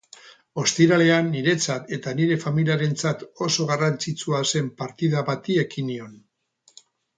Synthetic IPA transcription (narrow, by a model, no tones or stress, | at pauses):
o̞st̪iɾale̞anːiɾe̞t͡sat̪e̞t̪aniɾe̞familiaɾe̞nt͡sat̪o̞so̞ɣarant͡sit͡suase̞mpaɾt̪iðaβat̪ie̞kinio̞n